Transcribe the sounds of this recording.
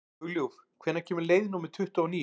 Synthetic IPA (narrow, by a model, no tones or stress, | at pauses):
ɣljuvkʰvɛːɾnacʰɛːmʏɾleːjðɪnuːmɪɾ̥t̪ʰʏht̪aɔniː